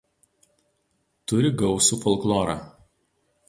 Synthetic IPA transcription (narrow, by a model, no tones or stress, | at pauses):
t̪ʊɾʲɪɡɒʊsuːfɔlˠklˠɔːɾɑ̰ː